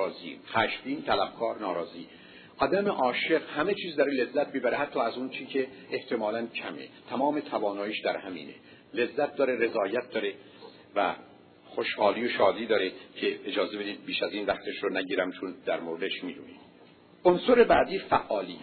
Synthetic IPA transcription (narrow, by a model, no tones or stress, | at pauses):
zḭxæʃbiːnt̪ʰælæbkʰɒːɾnɒːɾɒːziː | ʔɒːd̪æmeʔɒːʃeqhæme̞t͡ʃʰiːzd̪ɒːɾelezːæt̪̚bibæɾeɦæt̪ʰːɒːæzunt͡ʃʰiːcʰe̞ːht̪ʰe̞mɒːlæncʰæmḛt̪ʰæmɒːme̞t̪ʰævɒːnɒːjiːʃd̪æɾhæmḭːnḛ | le̞zːæt̪̚d̪ɒːɾe̞ɾe̞zɒːjæt̪̚d̪ɒːɾe | væ̰ | χoʃhɒːliːjoʃɒːd̪iːd̪ɒːɾecʰe̞ed͡ʒɒːze̞be̞d̪iːd̪̚biːʃæziːnvæχt̪ʰeʃɾonæɟiːɾæmt͡ʃʰond̪æɾmoɾed̪eʃmiːd̪ṵːnḭːd̪̥ | ʔonsoɾebæːd̪iːfæʔːɒːlḭː